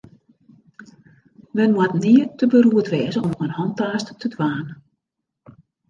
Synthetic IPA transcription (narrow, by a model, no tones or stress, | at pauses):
mɛnmwatniətəbəɾuətʋɛːzəɔmənhɔntaːstətʰədwaːn